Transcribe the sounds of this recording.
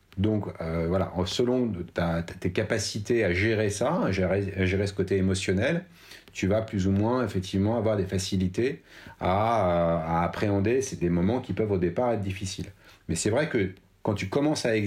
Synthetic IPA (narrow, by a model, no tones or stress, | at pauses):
d̪ɔ̃køvwala̰ʔsəlɔ̃t̪aat̪ekapasit̪eaʒeʁesaaʒeʁeaʒeʁesə̥kot̪eːmɔsjɔnɛl | t̪yvaplyzumwɛ̃efɛk̚t̪ʰivmɑ̃avwaʁd̪efasilit̪eaøaːpχeɑ̃d̪esed̪emɔmɑ̃kʲipœvod̪epaʁɛt̪̚d̪ifisilmɛsɛvʁɛkə | kɑ̃t̪ykɔmɑ̃saɛ